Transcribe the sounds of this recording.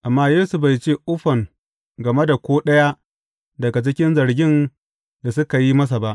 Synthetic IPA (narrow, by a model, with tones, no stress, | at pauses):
ʔa˨mːaː˦jeː˦su˨ba˨jt͡ʃeː˦ʔʊ˦ɸɐ˨ŋ | ɡɐ˨me˦da˨kʷoː˦ɗɐ˦ja˦ | dɐ˨ɡa˨t͡ʃɪ˦kʲɪ˦nzɐ˨ɾɡʲɪ˦n | ja˨s̬ʊ˦ka˨ji˦mɐ˦s̬a˨ba˦ʔ